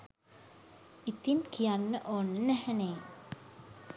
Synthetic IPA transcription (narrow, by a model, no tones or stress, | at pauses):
it̪inkʰijanːəʔoːnːənæhɛneː